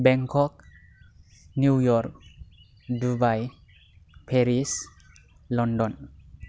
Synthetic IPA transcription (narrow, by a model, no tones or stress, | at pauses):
bɛŋkʰɔk̚ | njujɔɾk̚ | dubaj | pʰeɾis | lɔndɔn